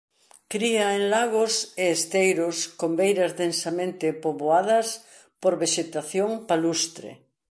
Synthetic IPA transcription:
kɾiɐenlaɣoseːst̪ejɾʊskombejɾɐzðensamẽnt̪ɪpoβoað̞ɐs | poɾβeʃet̪aθjoŋpalust̪ɾḛ

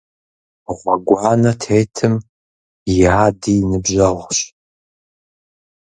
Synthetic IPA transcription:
ʁʷɑɡʷɑːnɐtʰeːtʰɨm | jɪaːdinɨbʒɐʁɕ

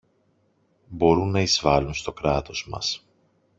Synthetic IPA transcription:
bo̞ɾunːɐizvɐlunst̪o̞kɾɐt̪o̞zmɐ̰s

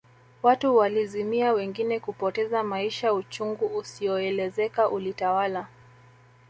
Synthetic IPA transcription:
watuwalizimiawɛŋɡinɛkupɔtɛzamaiʃajaut͡ʃuŋɡuːsijɔɛlɛzɛkaʔulitawala

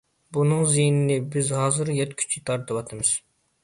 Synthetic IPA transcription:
bunɨŋzijnɪnɪbɪzhɑːzɨɾjɛt̪kʲʰy̥t͡ʃʰit̪ʰɑɾt̪ʰɨwɑt̪ʰɨmɨz̥

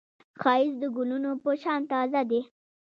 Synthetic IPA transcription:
xɑɪzd̪əɡʊlunopəʃɑnt̪ɑzad̪e

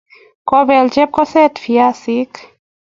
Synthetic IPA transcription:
kɔbɛlt͡ʃɛp̚kɔsɛt̪fiasik

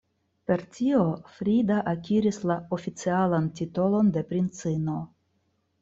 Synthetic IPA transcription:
pe̞ɾtio̞fɾidaʔakiɾislao̞fit͡sialantito̞lo̞nde̞pɾint͡sino̞

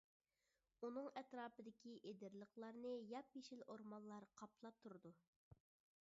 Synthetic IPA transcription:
unɨŋɛt̪ɾɑːpɨd̪ɪkʲʰiʔed̪ɪɾlˠəχlˠɑɾnɨjɑpjeʃilʔoɾmɑnlˠɑɾqʰɑpʰlˠɑp̚t̪ʰuɾɨd̪u

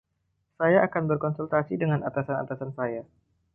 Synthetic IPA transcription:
sajaʔːkanbərkɔnsult̪asidəŋanat̪asana̰t̪asansaja

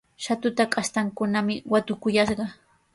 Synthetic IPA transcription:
ʃat̪ʊt̪akʼast̪aŋkʊnamɪwat̪ʊkʊjɑʃɢɑ

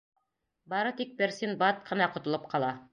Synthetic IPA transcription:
bɑɾɤt̪ik̚pɘɾsinbɑt̪̚qʰɤ̆nɑqŏt̪ŏlˠɤp̚qɑlˠɑ

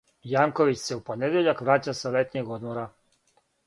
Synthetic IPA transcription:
jaːŋko̞ʋit͡ɕse̞upo̞ned̪jeʎakʋɾaːt͡ɕaselet̪ɲeɡod̪moɾa

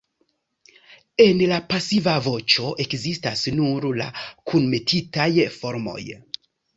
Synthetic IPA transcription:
e̞nlapasivavo̞t͡ʃo̞ʔe̞kzistasnuɾla̰kʰunme̞tʰitajfo̞ɾmo̞̰j

